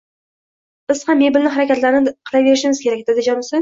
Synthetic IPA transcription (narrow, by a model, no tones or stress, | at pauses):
b̥ɪz̥hamːebɪlnɪɦaɾakʲat̪laɾɪnɪqʰɨlˠave̞ɾɪʃɪmɪz̥kʲʰe̞ɾak̚ʲd̪ed̪ɪd͡ʒɒnɪsɪ